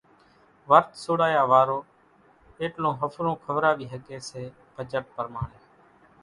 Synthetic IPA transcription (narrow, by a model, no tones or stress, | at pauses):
ʋəɾt̪ʰsoːɽaːjaːʋaːɾoː | eːʈlõːɦəfʰɾõːkʰəʋɾaːʋiːɦəɠeːseː | b̥ʱəd͡ʒəʈ̚pəɾmaːɳeː